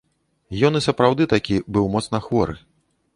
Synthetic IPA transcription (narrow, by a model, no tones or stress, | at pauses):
jɔnɨsɐpɾawd̪ɨt̪akʲibɨwmɔt̪snɐxvɔɾɨ̰